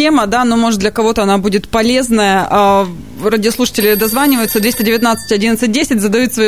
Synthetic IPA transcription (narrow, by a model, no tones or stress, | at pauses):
eməd̪anomo̞ʐɨt̪̚d̪lʲəkɐvo̞t̪əɐnabudʲɪt̪pɐlʲe̞znəjəʔə | rədʲɪoslˠuʂə̥tʲɪlʲɪd̪ɐzvanʲɪvəjʊt̪səd̪vʲesʲtʲɪdʲɪvʲɪt̪nat̪sɨ̥tʲɐdʲinət̪sɨt̚ʲdʲesʲɪtʲzəd̪ɐjut̪svɐ